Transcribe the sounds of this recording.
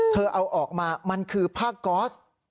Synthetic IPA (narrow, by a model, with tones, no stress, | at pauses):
t̪ʰɤː˧ʔa˧wʔɔː˨˩k̚maː˧ma˧nkʰɯː˧pʰaː˥˩kːɔː˦˥s